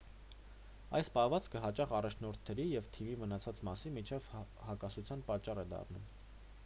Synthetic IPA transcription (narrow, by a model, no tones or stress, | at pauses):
ɑ̰jspɑhvɑt͡skəɦɑt͡ʃɑχɑrɑt͡ʃʰnɔɾt̪ʰnɛɾijɛvt̪ʰivimənɑt͡sʰɑt͡smɑsinmit͡ʃʰɛvhɑkɑsut͡sʰjɑnpɑt͡ʃːɑrɛd̪ɑ̰rnum